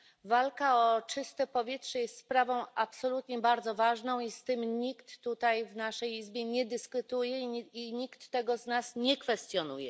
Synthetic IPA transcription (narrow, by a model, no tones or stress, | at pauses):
valkaɔt͡ʂɘst̪ɛpɔvʲjɛtʂɛjɛst̪spɾavɔ̃w̃apsɔlut̪ɲɛbaɾd̪zɔvaʐnɔ̃w̃ist̪ɘmɲikt̪ːut̪ajvnaʂɛjizbʲjɛɲɛd̪ɘskut̪ujɛiɲikt̪ːɛɡɔznasɲɛkfɛst̪jɔnujɛ